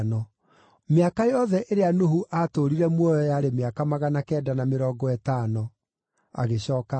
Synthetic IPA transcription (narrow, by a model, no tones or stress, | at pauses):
nɔ | meakajɔðɛʔeɾeanohuʔatoɾiɾɛmwɔjɔjaɾemeakamaɣanakɛːdanameɾɔːɡɔɛtaːnɔ | a̰ɣeɕɔːka